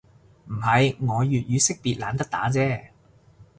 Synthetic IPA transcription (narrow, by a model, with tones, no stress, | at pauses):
m̩˨˩hɐ˨jŋɔː˨˧jyː˨t̚jyː˨˧sɪ˥k̚piː˨t̚la̰ː˨˧nt̪ɐ˥k̚t̪a̰ː˨˥t͡sɛː˥˩